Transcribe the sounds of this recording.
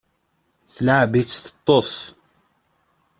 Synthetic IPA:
θlaʕbit͡sθə̥t̪ˤːos

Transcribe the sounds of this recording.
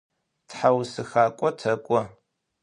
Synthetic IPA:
tħawsɨxaːkʷʼɔtʰɐkʷʼɔ

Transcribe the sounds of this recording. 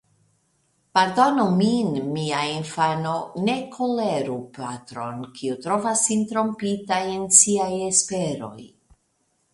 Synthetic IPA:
paɾdo̞nominmiainfano̞ne̞kʰo̞leɾupatɾo̞nkʰiutɾo̞vasːint̪ɾo̞mpitajensiaje̞spe̞ɾo̞̰j

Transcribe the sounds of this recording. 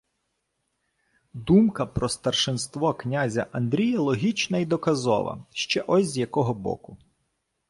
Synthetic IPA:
d̪umkɐpɾɔst̪ɐrʃɪnst̪ʋɔknʲazʲɐʔɐnd̪ɾʲijɐlˠɔɦʲit͡ʃnɐid̪ɔkɐzɔ̰ʋɐ̰ʃt͡ʃɛʔɔsʲzjɐkɔɦɔbɔ̰kʊ

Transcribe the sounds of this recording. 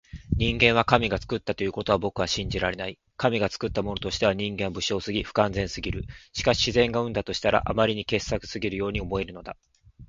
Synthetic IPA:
ɲ̟ĩŋɡẽ̞ɰ̃βakamʲiɡat͡sɨ̥kɯ̟t̪ːat̪o̞jɯ̟ko̞t̪o̞β̞abo̞kɯ̟βaɕĩɲ̟d͡ʑiɾaɾe̞nai | kamʲiɡat͡sɨ̥kɯ̟t̪ːamo̞no̞t̪o̞ɕi̥t̪e̞βaɲ̟ĩŋɡẽ̞mbɯ̟ɕo̞ːsɨɡʲiɸɯ̟̥kãnd͡zẽ̞ɰ̃sɨɡʲiɾɯ̟ɕi̥kaɕi̥ɕizẽ̞ŋɡaɯ̟̃nd̪at̪o̞ɕi̥t̪aɾʔa̰ʔamaɾʲiɲ̟ike̞sːakɯ̟̥sɨɡʲiɾɯjo̞ːɲ̟io̞mo̞e̞ɾɯ̟no̞d̪a

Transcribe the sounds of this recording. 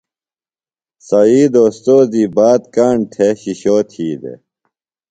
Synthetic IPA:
sɐiːd̪oːst̪oːziːbaːt̪kaːɳʈʰeɕiɕoːt̪ʰiːd̪ḛ

